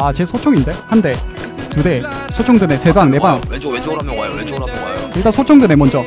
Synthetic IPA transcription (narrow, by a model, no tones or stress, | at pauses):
at͡ɕe̞sʰot͡ɕʰʌŋinde̞hande̞ | tudesʰot͡ɕʰʌŋdɯnese̞baŋne̞baŋ | iɭt͈ansʰot͡ɕʰʌŋdɯne̞mʌnd͡ʑʌ